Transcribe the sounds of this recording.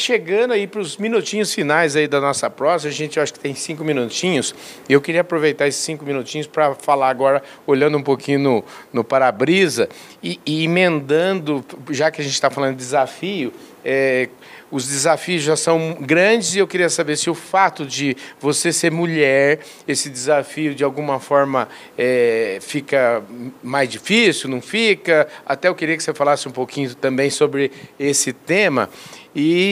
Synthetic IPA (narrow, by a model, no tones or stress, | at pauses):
ʃeɡɐ̃d̪ʊaipɾʊzmĩnut͡ʃĩɲʊsfinajzaid̪ɐnɔsɐpɾɔzɐɐʒẽnt͡ʃɪaʃʊ̥kɪ̥t̪ẽj̃sĩŋkʊmĩnut͡ʃĩɲʊs | ɪewkɪɾiɐapɾovejt̪aɾesɪ̥sːĩkʊmĩnut͡ʃĩɲʊspɾɐfalaaɡɔɾɐ | oʎɐ̃nd̪ʊũpokĩɲʊnʊnʊpaɾabɾizɐ | ɪːimẽnd̪ɐ̃nd̪ʊʒakɪɐʒẽnt͡ʃɪ̥t̪afalɐ̃nʊɪd͡ʒ̪ɪzafijʊɛ | ʊzd͡ʒ̪ɪzafiʊzʒasɐ̃w̃ɡɾɐ̃d͡ʒɪzɪewkɪɾiɐsabeɾsɪʊfat̪ʊd͡ʒɪvoseseɾmuʎɛɾ | esɪd͡ʒ̪ɪzafiʊd͡ʒɪawɡũmɐfɔɾmɐ | ɛfikɐmajzd͡ʒifisiwnɐ̃w̃fikɐat̪ɛewkɪɾiɐkɪsefalasɪũpokʰĩɲʊt̪ɐ̃mbẽj̃sobɾɪesɪt̪ẽmɐ̰ɪ